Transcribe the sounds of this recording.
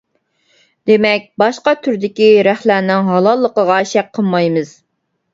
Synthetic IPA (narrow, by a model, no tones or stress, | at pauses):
d̪emɛk̚ʲbɑʃqɑt̪ʰyɾd̪ɪkʲiɾæχlæɾnɪŋɦɑlˠɑlˠːəqəʁɑʃɛk̚qʰəlˠmɑjmɨz̥